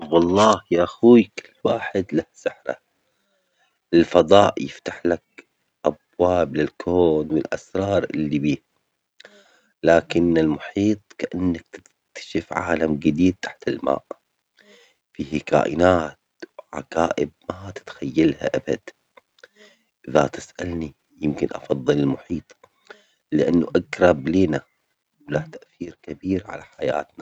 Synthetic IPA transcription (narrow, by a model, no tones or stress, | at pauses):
wɑlˤːɑːhjaʔaxuːjkɪlːwaːħɪd̪lahsaħɾa̰ | ɪlfɑðˤɑːʔjɪft̪aħlak̚ | ʔabwaːblɪlkʰoːnwɪlʔa̰sɾˤɑːɾˤʔɪ̰lːibiː | laːkɪnɪlmʊħiːt̪ˤkaʔanːak̚t̪ɪɪ̥k̚t̪ʰḁʃɪfʕa̰ːlamɡɪd̪iːd̪̚t̪aħt̪ɪlma̰ːʔ | fiːhka̰ːʔɪnaːt̪ | wʕa̰kaːʔɪb̚mat̪ɪ̥t̪xajːalha̰ʔaba̰d̪ | ʔɪða̰t̪ɪsʔalni | jɪmkɪnʔɑ̰fɑðˤːɨlɪlmʊħiːt̪ˤ | lɪʔanːuʔaɡɾˤɑbliːna | wlaːt̪aʔθiːɾkabiːɾʕa̰laħaja̰ːt̪na